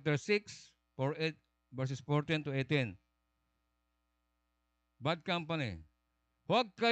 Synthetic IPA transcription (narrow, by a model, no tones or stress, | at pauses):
t̪ɛɹsɪks | fɔɹet̪̚ | vɛɹs̬ɛsfɔɹt̪ĩnt̪uet̪ɪ̃n | bad̪̚kãmpanḭ | hwaɡ̚ka